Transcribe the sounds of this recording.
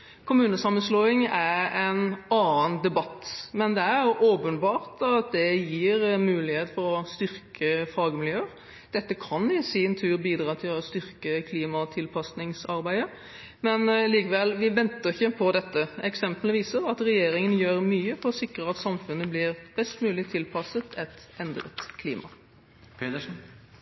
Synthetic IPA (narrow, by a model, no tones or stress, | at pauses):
kʰʊmʉːnəsɑmːənsloːɪŋæɾɛnɑːənd̪ɛbɑt̪ːmɛnd̪ɛæɾʔoːpənbɑːʁt̪ɑt̪̚d̪ɛjiːɾmʉːlɪheːt̪fɔɾɔst̪ʏɾkʰəfɑːɡəmɪljøːəɾ | d̪̥ɛt̪ːəkʰɑnɪsɪnt̪ʰʉːɾbiːd̪ɾɑːt̪ʰɪlɔst̪ʏɾkəkʰliːmɑt̪ʰɪlpʰɑsnɪŋsɑɾbæɪd̪ə | mɛnliːkəʋɛlʋɪʋɛnt̪əɾɪçːəpʰɔd̪ɛt̪ːəɛksɛmpləʋiːsəʁɑt̪ɾɛjeːɾɪŋənjøːɾmyːəfɔʁɔsɪkɾəɑt̪sɑmfʉnːəblɪɾb̥ɛst̪mʉːlɪt̪ʰɪlpʰɑsət̪ʰɛt̪ | ɛnd̪ɾə̰t̪kʰlḭːmʔɑ̰ | pʰet̪əʂn̩